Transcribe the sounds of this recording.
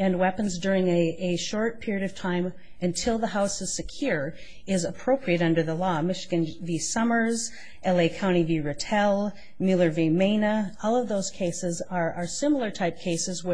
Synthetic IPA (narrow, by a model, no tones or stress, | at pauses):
ɨ̃nwɛpɨ̃n̩zdʊɹɪ̃ŋɨɨʃɔɹt̚pʰɪɹiɨɾʌv̥tʰãɪ̃m | ɨ̃ntʰɪlˠðəɦaʊsɨz̥sɨkʰj̥ʊɹ | ɪzəpʰɹ̥oʊpʰɹiɨɾʌ̃ndə˞ðəlɔmɪʃɨɡɨ̃nvisʌmə˞z | ʔɛlˠeɪkʰãʊ̃ɾ̃iviɹɨtʰɛlˠ | mjʉlˠə˞vimẽɪ̃nɨɔlˠʌvðoʊz̥kʰeɪsɨzə˞ʔə˞sɪ̃ml̩ˠə˞tʰaɪp̚kʰeɪsɨzwɪ